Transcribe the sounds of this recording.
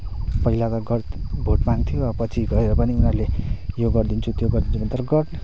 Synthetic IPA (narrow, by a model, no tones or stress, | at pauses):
pʌɦilat̪ʌɡʌrbʱoʈmaŋt̪ʰijoʌʌpʌt͡sʰiɡʌɾeɾʌpʌniunʌɾlejoɡʌrd̪int͡sʰut̪joɡʌrd̪int͡sʰubʌnt̪ʌɾʌɡʌʈ